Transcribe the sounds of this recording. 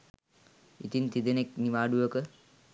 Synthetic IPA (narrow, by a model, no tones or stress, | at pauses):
it̪int̪id̪enekniʋaːɖuʋəkə